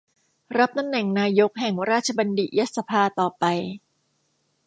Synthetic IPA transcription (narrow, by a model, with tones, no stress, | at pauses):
ɾa˦˥p̚t̪ʰa˧˩mnːɛ˨˩˦ŋnaː˧jo˦˥k̚ɦɛ˨˩ŋɾaː˥˩t̪̚t͡ɕʰa˧ba˧ndi˨˩ja˦˥t̪̚sa˧pʰaː˧t̪ɔː˨˩pa˧j